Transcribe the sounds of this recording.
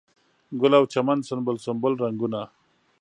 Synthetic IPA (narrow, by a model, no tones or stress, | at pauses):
ɡʊlawt͡ʃamansʊnbʊlsʊmbʊlɾaŋɡuna